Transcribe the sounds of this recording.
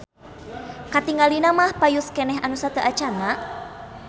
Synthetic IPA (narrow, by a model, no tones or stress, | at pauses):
kat̪iŋalinamahpajuskɛnɛɦanusat̪əʔat͡ʃana